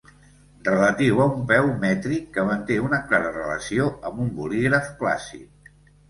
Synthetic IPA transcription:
rələt̪iwəumpɛwmɛt̪ɾikːəmənt̪eunəklaɾərələ̰sioəmbumbuliɣɾəfkla̰sḭk̚

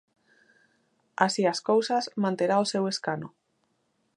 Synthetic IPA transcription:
asiaskowsazmãnt̪eɾalse̞we̞skano

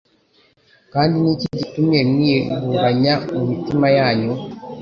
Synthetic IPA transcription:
kaːndinicicitumemwiuɡaɲamumitimajaːɲo

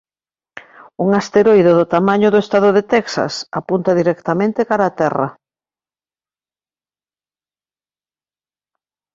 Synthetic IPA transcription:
uŋast̪eɾojðʊðʊt̪amaɲʊðʊest̪aðoðet̪ɛksa̰sapunt̪ɐðiɾɛkt̪amẽnt̪ɪkaɾaːt̪ɛrɐ̰

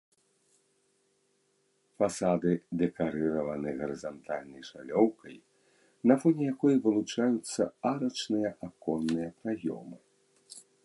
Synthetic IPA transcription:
fasad̪ɨd̪ɛkaɾɨɾɐvɐnɨɣɐɾɨzant̪ʰalʲnɐjʂalʲɔwkɐj | nɐfɔnʲɛjakɔjɐvɨlˠut͡ʂajut̪sːɐaɾɐt͡ʂnɨjɐʔakɔnːɨjɐpɾajɔ̰mɨ

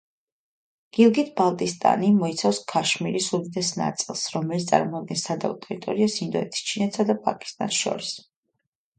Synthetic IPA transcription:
ɡ̥ilˠɡit̪ʰbalˠt̪ʼist̪ʼa̰nimɔit̪sʰafskʰaʃmiɾisud̪id̪ɛsna̰t̪sʼilˠsɾɔmɛlit̪st̪sʼa̰ɾmɔad̪̚ɡɛnsad̪a̰ut̪ʼɛɾit̪ʼɔɾiasind̪ɔɛt̪ʰi̥st͡ʃʰinɛt̪ʰsad̪apʼa̰kʼi̥st̪ʼa̰nʃɔ̰ɾis

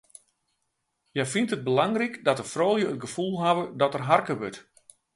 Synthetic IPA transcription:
jɛjfintət̚bəlaŋrikdɔtəfroːlˠjəətɡəfulˠɦaʋədɔtərɦarkəʋøt

